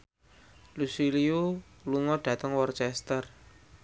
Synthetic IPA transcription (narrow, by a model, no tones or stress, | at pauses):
lusiliu | luŋɔɖ̥ä̤t̪əŋwɔrt͡ʃɛst̪ər